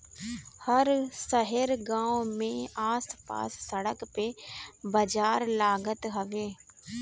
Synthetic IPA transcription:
hɐɾsɐɦəɾɡãːomẽaːspa̰ːsːəɽəkpebɐd͡ʒaːɾlaːɡət̪ɦɐʋeː

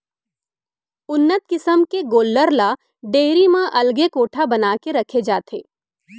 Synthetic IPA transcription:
ʊnːət̪̚kɪsəmkeɡoːlːəɾla | ɖeːɾimãʔɐlɡekoːʈʰabɐnaːkeɾɐkʰed͡ʒaːt̪ʰḛː

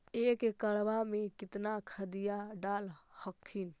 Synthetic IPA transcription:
ekekəɭʋamekɪt̪nakʰəd̪ijaɖaːlhəkʰːin

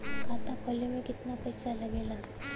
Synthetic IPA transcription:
kat̪akʰɔljomekɪt̪napəjsaləɡela

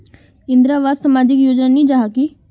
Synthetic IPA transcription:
ɪ̃nd̪ɾaːʋaːssəmaːd͡ʒɪkjoːd͡ʒnaːnĩːd͡ʒaːɦaki

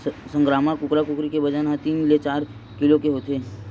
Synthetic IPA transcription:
sə̃ŋɡɾaːmakʊkɾakʊkɾikebəd͡ʒanɦat̪iːmlet͡ʃaːɾ | kɪlokeɦoːt̪ʰeː

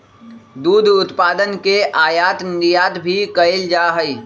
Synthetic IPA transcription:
d̪uːd̪ʱʊt̪paːd̪ənkeʔaːjaːt̪nɾijaːt̪bʱikɐɪld͡ʒaːɦəi

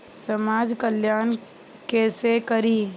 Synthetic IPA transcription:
səmaːd͡ʒkəljaːn | keːsekəɾiː

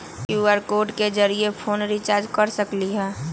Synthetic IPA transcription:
juːəɾkoːɾʈked͡ʒəɾiepʰoːnɾit͡ʃaːɾd͡ʒkɐɾsəkliɦɛː

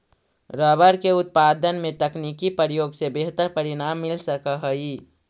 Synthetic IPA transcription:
ɾəːbəɾkeʊt̪̚paːd̪ənmẽt̪əknikipəɾjoːɡsebeɦt̪əɾpəɾɪnaːmːɪlsəkəɦəi

